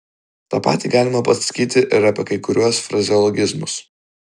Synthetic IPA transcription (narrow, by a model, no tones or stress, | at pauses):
t̪ɑːpɑ̰ːt̪ʲiːɡɑːlʲɪmɐpɐsʲɐ̥kʲiːt̪ʲɪʔɪɾɐpʲɛkɐɪkʊɾʲuɔsfɾɐzʲɪɔlˠɔɡʲɪzmʊs